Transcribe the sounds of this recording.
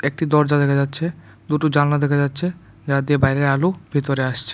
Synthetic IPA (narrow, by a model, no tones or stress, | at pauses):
ek̚ʈid̪ɔɾd͡ʑad̪ɛkʰad͡ʑatːɕʰe | d̪uʈud͡ʑannad̪ɛkʰad͡ʑatːɕʰe | d͡ʑad̪iebajɾeɾalubʱit̪oɾeaʃt͡ɕʰe̥